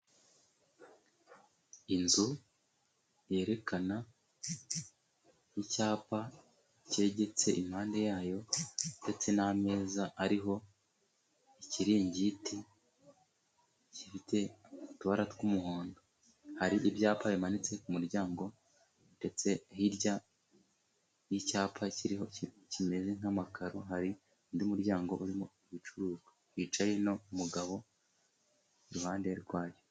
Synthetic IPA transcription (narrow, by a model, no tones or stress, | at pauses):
inzu | je̞ːɾe̞kʰana | icaːpa | ce̞ːɟe̞t͡se̞ʔim̥haːnde̞jaːjo̞nde̞t͡se̞name̞ːzaaɾiɦo̞ | iciɾiːɲɟiti | cifitʰe̞tuβaɾatkumuɦoːndo | haɾiʔibjaːpaβimanit͡se̞kumuɾɟaːŋɡo̞ | nde̞t͡se̞hiɾɟa | nicaːpʰaciɾiɦo̞i | cime̞ze̞ŋ̥amakʰaɾo̞ɦaɾi | ndiumuɾɟaːŋɡo̞ʔuɾimoiβit͡ʃuɾuːzwahit͡ʃajeno̞umuɡaβo̞ | iɾuhaːndehaɾiɾɡwaːjo